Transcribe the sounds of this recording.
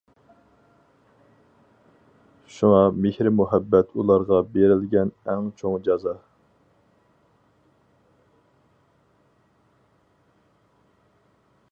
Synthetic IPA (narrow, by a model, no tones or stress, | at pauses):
ʃuŋɑmehɾɪmuɦɛbːɛt̪ʰulˠɑɾʁɑbeɾɪlɡʲɛnɛŋt͡ʃʰoŋd͡ʒɑzɑ